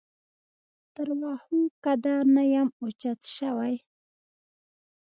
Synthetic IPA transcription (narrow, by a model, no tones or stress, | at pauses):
t̪aɾwɑhukad̪anajamot͡ʃat̪ʃawaj